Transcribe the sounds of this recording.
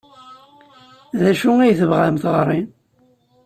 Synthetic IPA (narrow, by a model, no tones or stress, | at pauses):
ðæʃuæjθəvʁamθʁɾˤːin